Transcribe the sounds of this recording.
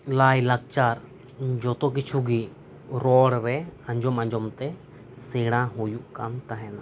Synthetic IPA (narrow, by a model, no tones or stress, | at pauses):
lajlak̚t͡ʃaɾ | d͡ʒɔt̪ɔk̬it͡ʃʰuɡi | ɾɔɽɾɛãɲd͡ʒɔmãɲd͡ʒɔmt̪ɛ | sɛɽ̃ãɦujuʔkamt̪aɦɛna